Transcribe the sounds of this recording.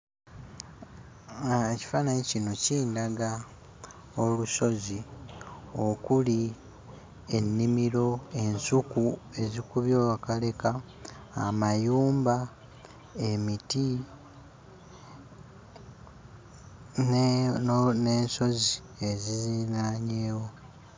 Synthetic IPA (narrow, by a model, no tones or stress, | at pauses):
eci̥faːnaɲecino̞ciːndaɡa | oluso̞zi | o̞kuli | e̞nːimiɾo̞e̞nsukue̞zikuβjo̞ːkale̞ka̰ː | majuːmba | e̞miti | n | ne̞ːnso̞zi | e̞zizinaɲeːwo̞